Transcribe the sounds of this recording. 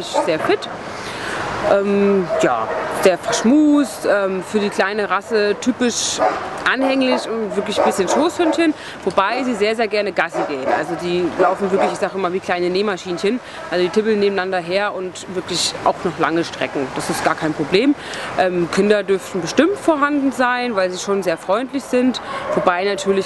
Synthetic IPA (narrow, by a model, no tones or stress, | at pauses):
ɪçz̥eːɐfɪt | ʔɛːmja̰ːz̥eːɐfɛɐʃmuːstʔɛːmfyːɐdiːkʰl̥aɪnəʁasətʰyːpɪʃʔanhɛŋlɪçʊntvɪɐklɪçb̥ɪsçənʃoːshʏnçən | vobaɪziːzeːɐzeːɐɡɛɐnəɡasəɡeːənʔa̰lzodiːlaʊfn̩vɪɐklɪçɪçz̥aːɡɪmaːlviːkʰl̥aɪnəneːmaʃiːnənçən | ʔalzodiːtʰɪbl̩neːbm̩nandɐɦeːɐʔʊntv̥ɪɐklɪçʔa̰ʊxnɔχla̰ŋəʃtʁ̥ɛ̰kŋ̩d̥asɪstɡ̥aːɐkʰaɪnpʁ̥obleːmʔɛːmkʰɪndɐdʏɐftn̩bəʃtɪmtfoːɐɦandn̩zaɪnvaɪlziːʃoːnzeːɐfʁ̥ɔʏntlɪçz̥ɪntvobaɪnatʰyːɐlɪç